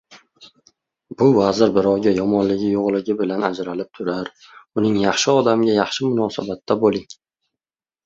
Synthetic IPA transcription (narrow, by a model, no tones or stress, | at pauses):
b̥ʊvazɪɾbɪɾɒwɡʲajɒmɒnlɪɡʲɪjoʁlˠɪɡʲɪbɪlanad͡ʒɾalɪp̚t̪ʰʊɾaɾ | ʊnɪŋjɑχʃɪɒd̪amɡʲajɑχʃɪmʊnɒːsabat̪ʰːabolɪŋ